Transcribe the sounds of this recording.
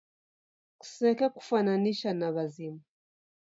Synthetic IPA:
ku̥sɛkaku̥fananiʃanaβazima

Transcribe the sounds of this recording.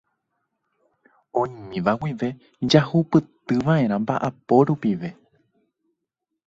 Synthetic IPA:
õɲmĩʋawiʋe̞ | d͡ʒahupɨt̪ɨʋaʔe̞ɾ̃ãmba̰ʔapo̞ɾupiʋe̞

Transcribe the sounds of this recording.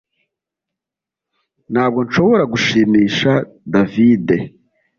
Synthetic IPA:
n̥haːb̚ɡo̞nʃo̞βo̞ɾaɡuʃiːmiːʃa | daviːde̞

